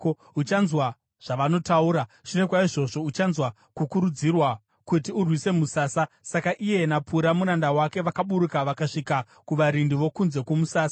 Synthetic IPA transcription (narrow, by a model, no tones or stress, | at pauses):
ut͡ʃanzwa | ʐ̥aʋano̞tauːɾaʐ̥ine̞kwaiʐo̞ʐo̞ut͡ʃanzwa | kukuɾud͡zirwa | kutiurwise̞musaːsa | sakaʔije̞napʰuɾamuɾandawake̞ʋakaɓuɾukaʋakaʂika | kuʋaɾindiʋo̞kunze̞kwomusaːsḁ